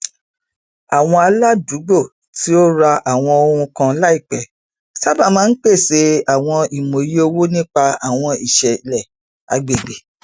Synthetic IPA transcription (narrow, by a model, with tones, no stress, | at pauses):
a˨w̃ɔ̃˧a˧la˦du˨˦ɡ͡bo˦˨ | ti˦o˦ɾa˧ʔa˨w̃ɔ̃˧o˧ɾũ˧kã˧la˦i˦˨k͡pɛ˨ | ta˦ba˦˨mãː˦n̩˦k͡pe˦˨se˨˦a˨w̃ɔ̃˧i˨mo˨ji˦o˧wo˦nĩ˦k͡pa˧a˨w̃ɔ̃˧i˨ʃɛ˨lɛ˨ | a̰˨ɡ͡be˨ɡ͡be˨